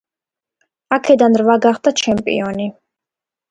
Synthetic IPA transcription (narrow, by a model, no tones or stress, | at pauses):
akʰɛd̪anɾvaɡaχd̪at͡ʃʰɛmpʼḭɔni